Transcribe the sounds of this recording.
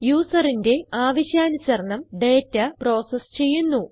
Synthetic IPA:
juːsɐrinde̞aːʋɐɕjaːnusɐrɳɐmɖeːtːɐpro̞ːsɐst͡ɕe̞jːunːu

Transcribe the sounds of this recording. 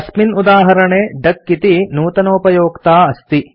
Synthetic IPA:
ɐsminud̪aːɦɐɾɐɳeːɖɐkːit̪inuːt̪ɐnoːpɐjoːkt̪aːɐst̪i

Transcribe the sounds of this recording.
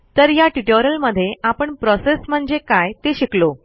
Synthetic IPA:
t̪əɾjaʈiʈoɾəlməd̪ʱːjeapəɳpɾɔsesm̤əɳd͡zekajt̪eɕiklo

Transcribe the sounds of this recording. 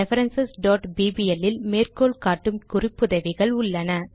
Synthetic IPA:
ɛfɐɾɐnsɐsɖoːʈbiːbiɛlːɪlmeːrkoːlkaːʈːɯmkʊrɪpːɯðɐʋɪɣɐɭʊɭːɐnɐ

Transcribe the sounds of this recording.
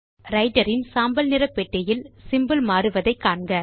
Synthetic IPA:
ɾɐɪʈɐɾɪnsaːmbɐlnɪɾɐpːɛʈːɐjɪlsɪmbɯlmaːɾɯʋɐðɐɪkːaːɳɡɐ

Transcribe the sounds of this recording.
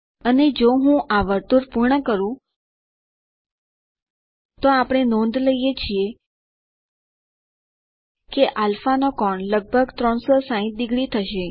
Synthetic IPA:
əned͡ʒoɦũʔaʋəɾt̪uɾpuɾɳəkəɾũ | t̪oapɽ̃enɔ̃nd̪ʱləijet͡ʃʰie | keʔalfanokɔɳləɡ̚bʱəɡt̪ɾɔɳsɔsãɦĩt̪̚d̪iɡɽit̪ʰəʃe

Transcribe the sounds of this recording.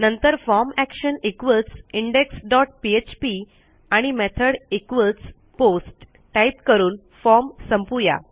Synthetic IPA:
nənt̪əɾfɔɾmækɕənikʋəlsiɳɖeksɖɔʈ̚piet͡ɕpi | aɽ̃imet̪ʰəɽekʋəls | posʈː | aip̚kəɾuːn | fɔɾmsəmpuja̰

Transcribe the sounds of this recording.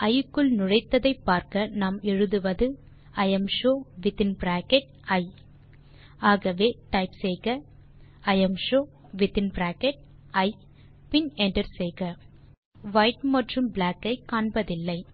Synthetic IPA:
ʔɐjɯkːɯɭnʊɻɐɪt̪ːɐðɐɪpːaːɾkɐnaːmɛɻɯðɯʋɐðɯ | ɐjɐmʂoːʋɪt̪ɪnbɾaːkɛʈ̚ | ɐɪ | aːɣɐʋeːʈɐɪpsɛjɣɐ | ɐjɐmʂoː | ʋɪt̪ɪnbɾaːkɛʈ̚ | ɐɪ | pɪnɛɳɖɐɾsɛjɣɐ | ʋɐɪʈmɐʈrɯmbɭaːkːɐɪkːaːɳbɐðɪlːɐɪ

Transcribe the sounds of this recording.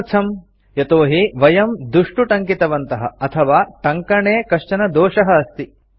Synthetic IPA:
t͡ʃʰɐm | jɐt̪oːɦiʋɐjɐmd̪uʂʈuʈɐŋkit̪ɐʋɐnt̪ɐɦɐ̰ɐt̪ʰɐʋaːʈɐŋkɐɳeːkɐʂt͡ʃɐnɐd̪oːʂɐɦɐːst̪i

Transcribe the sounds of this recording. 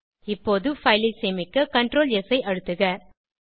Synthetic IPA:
ɪpːoːðɯfɐɪliseːmɪkːɯkɐɳʈɾoːlɛsɐɪʔɐɻɯt̪ːɯɣɐ

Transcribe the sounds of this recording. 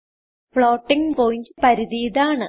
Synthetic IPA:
fɭoːʈːiŋɡpoːjind͡ʑpɐɾiðiːðaːɳɨ

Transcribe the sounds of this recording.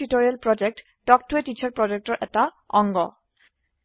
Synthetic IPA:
itoɹialpɹɔd͡ʒek̚t | d̥ɔktuetit͡ʃʰaɹpɹɔd͡ʒek̚tɔɹʔɛta | ɔŋɡɔ

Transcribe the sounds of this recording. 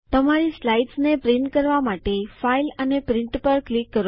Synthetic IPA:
t̪əmaɾislaiɖsnepɾɪɳʈkəɾʋamaʈefailənepɾɪ̃ɳʈpəɾklikːəɾo

